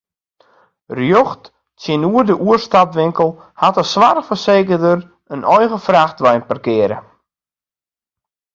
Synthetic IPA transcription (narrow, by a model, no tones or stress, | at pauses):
rjoxt | sjɪnuərdəʔuərstapʋɪŋkəl̩ˠ | hatəsʋarfərseːkərdər | ənʔɔjɣəfraxtʋɛjnpərkɪəɾə̰